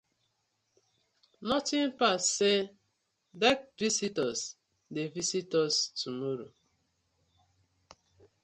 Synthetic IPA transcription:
nɔtɪ̃npasse | dɛk̚visitɔs | devisitɔstumɔɾo

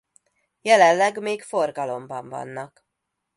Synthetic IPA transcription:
jɛlɛllɛɡmeːkfo̞rɡɒlo̞mbɒɱvɒ̰nːɒk

